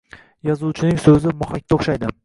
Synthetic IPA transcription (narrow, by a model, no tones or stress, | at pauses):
jɒzuwt͡ʃʰɪnɪŋsɵzɪmʊhakʲt̪aoχʃajd̪ɪ